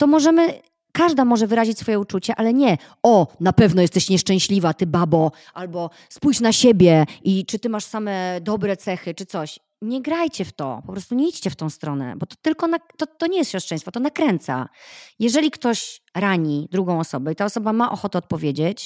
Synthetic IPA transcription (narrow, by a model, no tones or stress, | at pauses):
t̪ɔmɔʐɛmɘ | kaʐd̪amɔʐɛvɘɾaʑit͡ɕʲsfɔjɛut͡ʂut͡ɕɛʔalɛɲɛ | ɔnapɛvnɔjɛst̪ɛɕɲɛʂt͡ʂɛ̃w̃ɕlʲivat̪ɘbabɔ | ʔalbɔ | spujt͡ɕnaɕebʲjɛʔit͡ʂɘt̪ɘmaʂsamɛd̪ɔbɾɛt̪sɛxɘt͡ʂɘt̪sɔɕ | ɲɛɡɾajt͡ɕɛft̪ɔ̰pɔpɾɔst̪uɲɛit͡ɕt͡ɕɛft̪ɔ̃w̃st̪ɾɔnɛ̰bɔt̪ɔ̥t̪ɘlkɔnat̪ɔt̪ːɔɲɛjɛst̪ɕjɔʂt͡ʂʂɛ̃jst̪fɔt̪ɔnakɾɛnt̪sa̰jɛʐɛlʲikt̪ɔɕɾaɲid̪ɾuɡɔ̃w̃ɔsɔbɛit̪aɔsɔbamaʔɔxɔt̪ɛɔt̪̚pɔvʲjed͡ʑet͡ɕ